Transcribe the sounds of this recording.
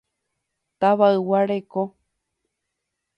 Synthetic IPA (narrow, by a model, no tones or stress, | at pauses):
t̪aβaɨwaɾeko